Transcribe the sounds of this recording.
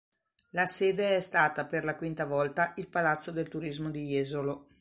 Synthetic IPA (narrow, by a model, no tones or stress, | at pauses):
laseːd̪eɛst̪aːt̪aperlakwint̪avɔlt̪aʔilpalat̪sːod̪elt̪uɾizmod̪ijeːzolo